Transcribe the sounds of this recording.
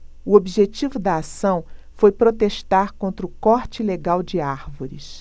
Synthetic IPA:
ʊobiʒet͡ʃivʊd̪ɐːsɐ̃w̃fojpɾot̪eʃt̪aɾkõnt̪ɾʊkɔɾt͡ʃɪleɡawd͡ʒɪaɾvoɾɪs

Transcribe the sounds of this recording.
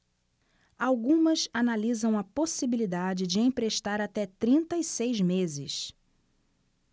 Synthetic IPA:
awɡũmɐsanalizɐ̃w̃ɐposibilid̪ad͡ʒɪd͡ʒɪẽj̃pɾeʃt̪aɾat̪ɛt̪ɾĩnt̪ɐɪsejzmezɪ̰s

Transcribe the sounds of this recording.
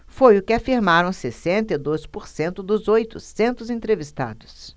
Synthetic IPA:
fojʊkɪafiɾmaɾɐ̃w̃sesẽnt̪ɐɪd̪ojspoɾsẽnt̪ʊd̪ʊzojt̪ʊsẽnt̪ʊzẽnt̪ɾevist̪a̰d̪ʊs

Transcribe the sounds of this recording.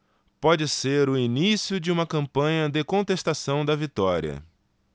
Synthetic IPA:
pɔd͡ʒɪseɾʊinisiʊd͡ʒɪũmɐkɐ̃mpɐ̃ɲɐd̪ekõnt̪est̪asɐ̃w̃d̪ɐvit̪ɔɾiɐ̰

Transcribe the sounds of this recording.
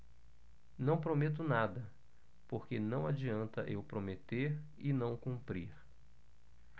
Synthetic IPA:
nɐ̃w̃pɾomet̪̬ʊnad̪ɐ | poɾkenɐ̃w̃ad͡ʒiɐ̃nt̪ɐʔewpɾomet̪eɾ | ɪnɐ̃w̃kũmpɾiɾ

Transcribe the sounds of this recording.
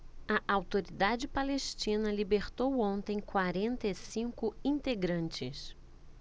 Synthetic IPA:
ɐʔawt̪oɾid̪ad͡ʒɪpaleʃt͡ʃĩnɐlibeɾt̪owõnt̪ẽj̃kwaɾẽnt̪ɐesĩŋkʊĩnt̪eɡɾɐ̃nt͡ʃɪ̰s

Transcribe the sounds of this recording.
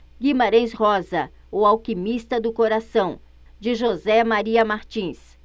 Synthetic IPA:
ɡimaɾẽj̃shɔzɐ | uawkimist̪ɐd̪ʊkoɾasɐ̃w̃ | d͡ʒɪʒozɛmaɾiɐmaɾt͡ʃĩs

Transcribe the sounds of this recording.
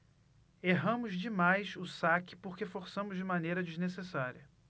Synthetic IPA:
eɦɐ̃mʊzd͡ʒɪmajsʊsakɪ̥poɾkefoɾsɐ̃mʊzd͡ʒɪmanejɾɐd͡ʒiznesesaɾiɐ

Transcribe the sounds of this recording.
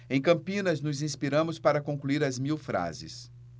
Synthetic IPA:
ẽj̃kɐ̃mpĩnɐznʊzĩspiɾɐ̃mʊspaɾɐkõŋkluiɾɐzmiwfɾa̰zɪ̰s

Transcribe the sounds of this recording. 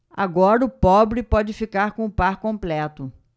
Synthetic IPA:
a̰ɡɔɾɐʊpɔbɾɪpɔd͡ʒɪfikaɾkõʊpaɾkõmplɛt̪ʊ

